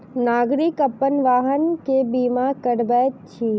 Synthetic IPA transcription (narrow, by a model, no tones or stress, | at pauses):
naːɡɾikəpənʋaːɦənkebiːmakəɽbɛːt̪t͡ʃʰiː